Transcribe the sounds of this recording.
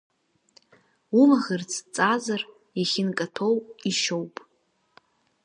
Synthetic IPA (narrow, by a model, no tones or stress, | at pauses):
umaʁɨrt͡sʰt͡sʼazar | jaχʲɪnkʼatʰo̞wiʃo̞wpʼ